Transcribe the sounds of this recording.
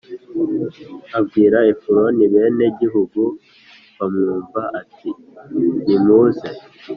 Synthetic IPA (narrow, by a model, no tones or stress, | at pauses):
abɡiːɾaefuɾoniβe̞ːne̞ɟiɦuɡu | βamŋuːɱvaʔati | nimuze